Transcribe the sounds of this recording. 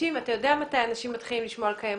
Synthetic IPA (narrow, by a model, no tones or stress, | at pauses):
imvatajo̞deamatajanaʃimːat̪χilimliʃmoalkajam